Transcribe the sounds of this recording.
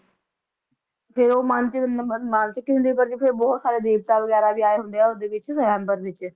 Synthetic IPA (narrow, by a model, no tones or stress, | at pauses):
pʰɪɾoːmənt͡ʃnmalt͡ʃəkːiːɦʊnd̪eːpəɾd͡ʒepʰɪɾbɔːt̪saːɾeːd̪eːb̚t̪aːʋəɡɛːɾaːbiːaːeːɦʊ̃nd̪eːɛːʊd̪eːʋɪt͡ʃʋɛ̃ːmbəɾʋɪt͡ʃ